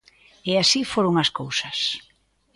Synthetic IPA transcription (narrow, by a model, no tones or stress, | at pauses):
easifoɾoŋaskowsɐs